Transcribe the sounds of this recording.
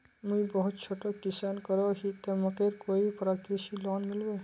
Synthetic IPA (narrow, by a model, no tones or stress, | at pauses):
muibɔɦut̪̚t͡ʃʰoʈokisankəɾoɦit̪eməkeɾkoipɾakɾiʃilɔːnmɪlbe